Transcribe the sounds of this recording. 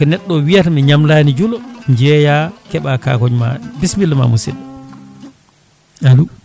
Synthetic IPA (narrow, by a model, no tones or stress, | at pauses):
kɔnɛɗːɔwijatmiɲamlanid͡ʒulɔɲd͡ʒɛjakɛɓaka̰kɔɲma̰bismilːma̰musḭdɛ | alu